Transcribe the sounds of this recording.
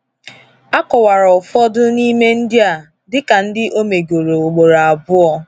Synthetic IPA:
a˦kɔ˨wa˨ɾɔ˨fɔ˦dʊ˦ni˦me˦n̩˦dɪ˦a˨ | dɪ˦ka˨n̩˦dɪ˦ʔo˦me˨ɡo˨ɾo˨o˨ɡ͡bo˨ɾa˨a˨bʊ˦ɔ˦

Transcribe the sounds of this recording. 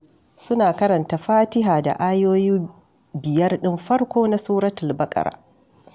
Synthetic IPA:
sʊ˦naː˨kɐ˦ɾɐ˨nta˨ɸaː˦tɪ˦ɦaː˨da̰˨ʔaː˦joː˦jiː˦ | bɪ˨jɐ˦rɗɪ˦mɸɐ˦rkʷoː˦na˦suː˦ɾɐ˦tɪ˨lbɐ˦kʼɐ̰˨ɾa̰ː˨

